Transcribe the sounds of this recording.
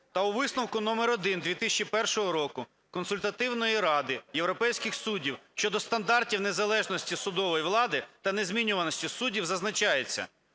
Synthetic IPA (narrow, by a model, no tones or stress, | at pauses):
t̪ɐʊʋɪsnɔwkʊnɔmeɾɔd̪ɪnd̪ʲʋʲit̪ɪsʲt͡ʃipɛrʃɔɦɔɾɔkʊ | kɔnsʊlʲt̪ɐt̪ɪwnɔjiɾɑd̪ɪjewɾɔpɛjsʲkɪxsudʲiwʃʲt͡ʃɔd̪ɔst̪ɐnd̪ɑrtʲiwnezɐlˠɛʒnɔsʲtʲisʊd̪ɔʋɔjiʋlˠɑd̪ɪt̪ɐnezmʲinʲʊʋɐnɔsʲtʲisudʲiwzɐznɐt͡ʃɑjet͡sʲːɐ̰